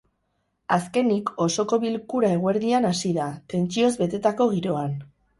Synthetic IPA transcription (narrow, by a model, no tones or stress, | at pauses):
aske̞niko̞so̞ko̞βilkuɾae̞ɣ̞oe̞ɾðianasiðat̪e̞nt͡ʃio̞zβe̞t̪e̞t̪ako̞ɣ̞iɾo̞an